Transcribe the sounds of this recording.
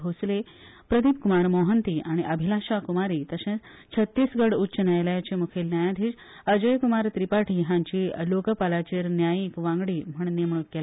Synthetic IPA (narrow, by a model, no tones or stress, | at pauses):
osle | pɾəd̪ʱip̚kumaɾmoɦənt̪iːʔaɽ̃iʔəbʱilaɕakumaɾiːt̪əɕẽt͡s | t͡ɕʰət̪ːisɡəɽutːɕənajljat͡ɕemukʰelnjajãd̪ʱiːt͡s | əd͡ʑəjkumaɾt̪ɾipaʈʰiɦãɲt͡ɕiːlokəpalat͡ɕeɾnjajikʋãŋɡɽiːm̤əɳnem̤ɳ̃ut̪̚ɡela